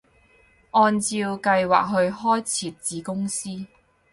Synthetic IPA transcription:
ʔɔː˧nt͡siː˧wkɐ˧jwa̰ː˨k̚ɦɵ˧ɥhɔː˥jt͡sʰiː˨t̚t͡siː˨˧kʊ˥ŋsiː˥

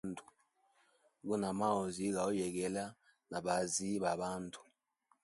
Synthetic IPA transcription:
ntʰʼu̥˨ | k̬u˦na˨ma˦o˨zi˦k̬a˨u˦jɛ˨k̬ɛ˨la˦ | na˨ɓa˨zi˦ɓa˨ɓaː˦ntʰʼu̥˨

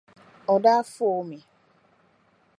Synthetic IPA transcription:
ɔ˨da˦a˦fʊ˦o˨˦me˨

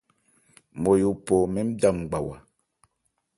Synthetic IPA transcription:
mo˨ju˨po˨mi˦m̩˦da˦˨m˨ɡ͡ba˨wa̰˨

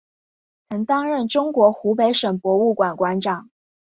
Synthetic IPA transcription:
t͡sʰɤ˧˥ŋt̪ɑ˥ŋɻə˥˩nʈ͡ʂʊ˥ŋkwɔ˧˥xu˧˥pe˧˥ɪʂə˨˩ŋpwɔ˧˥u˥˩kwa˨˩nkwa˧˥nʈ͡ʂɑ˨˩˦ŋ

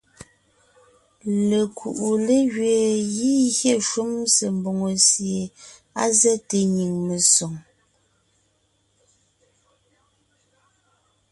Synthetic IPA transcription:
le˨kʰṵ˨ʔu˨le˦ɣɥeː˨ɣi˦ɣjɛ˦˨ʃu˦mse˨m˨bo˨ŋo˨sje˨ | a˦zɛ˦te˨ɲi˨ŋme˨so˨ŋ

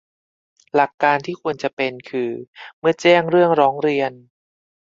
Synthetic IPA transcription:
la˨˩kːaː˧nt̪ʰiː˥˩kʰu˧ənt͡ɕa˨˩pe˧nkʰɯː˧mɯ˥˩ɐt͡ɕɛː˥˩ŋɾɯ˥˩əŋɾɔː˦˥ŋɾi˧ən

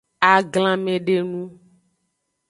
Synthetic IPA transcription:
a˨ɡlã˨mẽ˨ɖe˦nũ˦

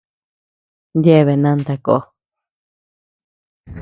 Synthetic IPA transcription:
nd̪je˦˧βe˨nã˧nt̪a˧ko̰˨˦

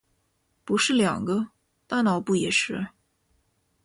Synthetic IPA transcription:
pu˧˥ʂɻ̩˥˩ljɑ̰˨˩ŋɡə˦ | t̪a˥nɑ˨˩ʊpu˥˩jɛ˨˩ʂɻ̩˥˩

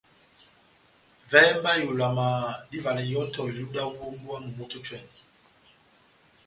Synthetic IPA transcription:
vɛ˦mba˦ju˨la˨ma˨ɗi˦va˨lɛ˨jɔ˦tɔ˨i˨lu˦ɗa˦wo˦mbwa˦mu˨mu˨tu˦t͡ʃwɛ˨ni˨

